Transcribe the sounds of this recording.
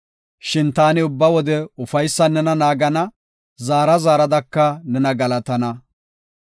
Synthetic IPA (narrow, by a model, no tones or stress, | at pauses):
ʃɪnt̪aːnɪʊbːɐwɔd̪ɛʊfɐjsːɐnːɛnɐnaːɡɐnɐ | zaːɾɐzaːɾɐd̪ɐkːɐnɛnɐɡɐlɐt̪ɐnɐ